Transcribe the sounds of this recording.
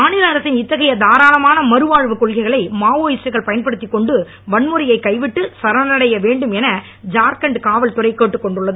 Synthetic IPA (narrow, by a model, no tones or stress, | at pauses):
maːnɪlɐɐɾɐsɪnɪt̪ːɐɣɐjɐd̪aːɾaːlɐmaːnɐmɐɾɯʋaːɻʋɯkɔɻɣɐɪɣɐɭɐɪmaːʋoːjɪt͡ʃɐɾɣɐɭpɐjɐnpɐɽɯt̪ːɪkːɔɳɖɯ | ʋɐɳmɯɾɐjɐɪkːɐɪʋɪʈːɯsɐɾɐnɐɽɐjɐʋeːɳɖɯmɛnɐ | d͡ʒaːɾkɐɳɖkaːʋɐlt̪ʊrɐɪkeːʈːɯkːɔɳɖɯɭːɐðɯ